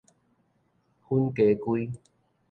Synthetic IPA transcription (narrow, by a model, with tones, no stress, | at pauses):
hu˦nke˨˦kwu˦